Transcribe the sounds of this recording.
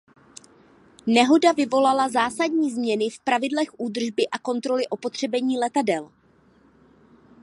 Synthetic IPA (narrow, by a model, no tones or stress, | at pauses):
nɛɦo̞davɪvo̞lalazaːsadɲiːzmɲɛnɪfpɾavɪdlɛxʔuːd̪r̩ʒbɪʔako̞nt̪ɾo̞lɪʔo̞po̞t̪r̝̥ɛbɛɲiːlɛt̪adɛl